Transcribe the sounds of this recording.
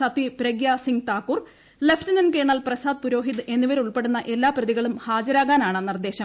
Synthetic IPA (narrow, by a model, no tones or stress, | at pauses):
ɐt̪ːipɾɐɡjaːsiŋɡt̪aːkːur | leftɐnɐnke̞ːɳɐlprɐsaːd̪̚puɾo̞ːɦid̪ɨe̞nːiʋɐɾuɭpe̞ɽunːɐʔe̞lːaːprɐðiɣɐɭumhaːd͡ʑɐɾaːɣaːnaːɳɨnird̪e̞ːɕɐm